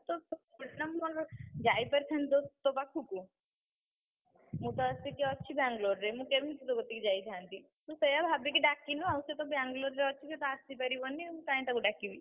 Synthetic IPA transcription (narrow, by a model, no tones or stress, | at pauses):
t̪ɔpʰoɽnamːɔd͡ʒajpəɾik̪ʰant̪ɔt̪opakʰuku | mũt̪ɔasikeɔtːʃʰibaŋɡloɾːemũkebʱinĩt̪ut̪oɡɔt̪ːikid͡ʒajk̪ʰant̪i | t̪ũsejabʱabik̬iɖakːinũawset̪ɔbjaŋɡloɾːeɔtːʃʰiset̪ɔast̪ipɛɾibɔnːiũt̪aĩt̪akuɖakibi